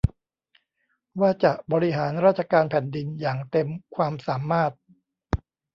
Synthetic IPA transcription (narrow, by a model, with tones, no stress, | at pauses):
waː˥˩t͡ɕa˨˩ʔbɔː˧ɾi˦˥ɦaː˩˦nɾaː˥˩t̪̚t͡ɕʰa˧kaː˧npʰɛ˨˩ndi˧njaː˨˩ŋt̪e˧mkʰwaː˧msaː˩˦maː˥˩t̪̚